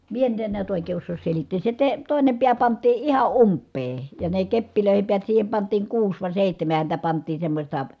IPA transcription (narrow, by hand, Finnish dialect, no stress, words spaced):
mie nyt en niæt oˑikeː osːoːs selitːeːs se te toˑine piæ pɑntˑiː ihɑ ʔumpːeː jɑ ne kepːiløˑihem piæt siːhem pɑntˑiːŋ kuːs ʋɑˑi seˑihtæmæ hæntæ pɑntˑiːn semːosʲtɑ